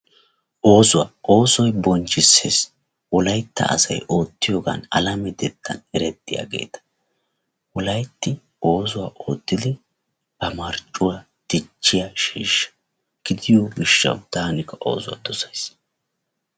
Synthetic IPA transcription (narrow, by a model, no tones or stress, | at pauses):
ʔo̞ːzʊwaːʔo̞ːsɔjbɔnt͡ʃʼːɪsːes | wɔlɐjt̪ːɐ̰ʔɐ̰sɐ̰jʔo̞ːt̪ːɪjo̞ːɡɐ̰nɐlɐmɛd̪ɛd̪ːɐ̰nɛɾɛt̪ːɪja̰ːɡe̞̰ːt̪ɐ̥ | wɔlɐjt̪ːɪ | ʔo̞ːzʊwaːʔo̰ːt̪ːɪd̪ɪ | b̥ɐmɐɾt͡ʃʼːʊwa | d̪̥ɪt͡ʃːɪjaʃiːʃːɐ̥ | ɡ̥ɪd̪ɪjomɪʃːɐ̰wd̪̥aːnɪkːɐʔo̞̰ːzʊwa̰d̪ɔsɐjs